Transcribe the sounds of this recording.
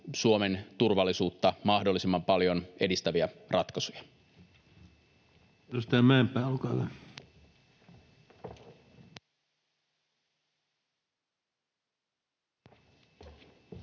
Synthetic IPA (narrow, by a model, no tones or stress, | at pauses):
suome̞nt̪urʋɑlːisuːt̪ːɑmɑhdo̞lːˑisimːɑmpɑljo̞ne̞dist̪æʋiærɑt̪kɑsujɑ | ost̪æmæːmpːˑæːolkɑːʋæ